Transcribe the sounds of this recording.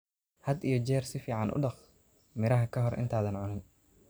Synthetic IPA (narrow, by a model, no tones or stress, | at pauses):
hɐd̪ijɞt͡ʃɛːrsɪfiːʕɑnʔʊ̰ɖɑχ | mɪɾɐɦɐkʰɐɦɔrʔɪ̰nt̪ʰaːðɐnʕʊnɪn